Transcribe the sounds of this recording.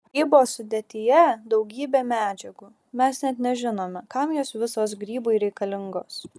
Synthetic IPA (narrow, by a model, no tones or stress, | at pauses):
iːbosʊd̪ʲeːt̪ʲɪjɛd̪ɒʊɡʲiːbʲeːmʲæːd͡ʒʲɛɡuː | mʲɛsnʲɛt̪nʲɛʒʲɪnoːmʲɛkɐmjoːsʋʲɪsoːsɡɾʲiːboɪɾʲɛɪkɐlʲɪŋɡoːs